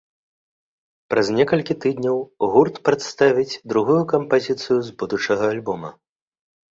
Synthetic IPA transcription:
pɾɐzʲnʲɛkɐlʲkʲit̪ɨd̪ʲnʲɐwɣurt̪pɾɐt̪st̪avʲid͡zʲd̪ɾuɣujukɐmpazʲit̪sɨjuzbud̪ut͡ʂɐɣɐalʲbɔmɐ̰

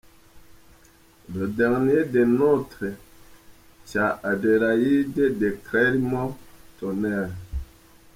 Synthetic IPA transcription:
dodɛŋnedenotɾe | t͡ʃaadeɾajidedekɾɛɾimɔtonɛɾ

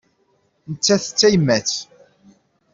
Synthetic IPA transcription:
nət͡sːæθt͡sːæjmːæt͡s

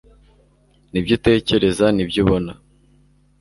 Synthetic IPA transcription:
nibɟite̞ːce̞ɾe̞zanibɟiβo̞na

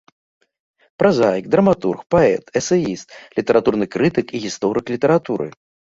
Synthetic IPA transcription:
pɾazajik̚d̪ɾɐmat̪urxpaɛt̪ɛsɐjist̪lʲit̪ɛɾʔat̪urnɨkɾɨt̪ɨkiɣʲist̪ɔɾɨklʲit̪ɛɾat̪uɾʔɨ̰

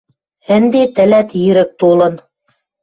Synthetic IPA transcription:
ɘ̆nd̪et̪ɘ̆læt̪jiɾɘ̆k̚t̪olɤ̆n

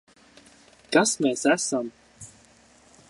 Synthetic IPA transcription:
kasmɛːsæsam

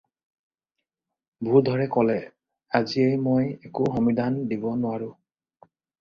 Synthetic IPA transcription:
bʱudʱɔɹɛkɔlɛ | aziejmojekʊxɔmidʱandibɔnʊwaɹʊ̃

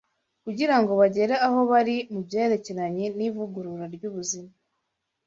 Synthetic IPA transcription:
kuɟiɾaŋɡo̞βaɟe̞ɾaaɦo̞βaɾimubje̞ːeɾe̞ce̞ɾaɲenivuɡuɾuɾaɾɟuːβuzima

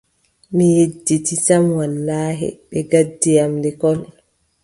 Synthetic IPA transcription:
mijedːitisamwalːaːɦɛ̰ɓɛɡadːijamdɛkɔl

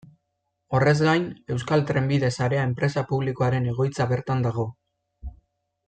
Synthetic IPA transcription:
o̞re̞zɡajne̞wskalt̪ɾembiðe̞saɾe̞ae̞mpɾe̞sapuβliko̞aɾe̞ne̞ɣ̞o̞jt͡saβe̞ɾt̪and̪aɣ̞o̞

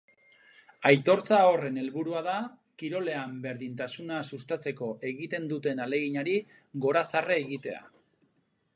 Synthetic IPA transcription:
ajt̪o̞ɾt͡sao̞re̞ne̞lβuɾuaða | kiɾo̞le̞ambe̞ɾðint̪asunasust̪at͡se̞ko̞ʔe̞ɣit̪e̞nd̪ut̪e̞nale̞ɣiɲaɾi | ɣo̞ɾasareːɣit̪e̞a̰

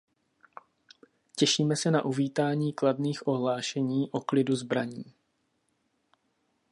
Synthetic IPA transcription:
cɛʃiːmɛsɛna̰ʔuviːt̪aːɲiːkladniːxʔo̞ɦlaːʃɛɲiːʔo̞klɪduzbɾaɲiː

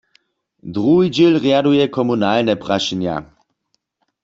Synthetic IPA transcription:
dʁuɦid͡ʒilʁjadujɛkʰɔmunaːlnɛpʁaʃinja̰

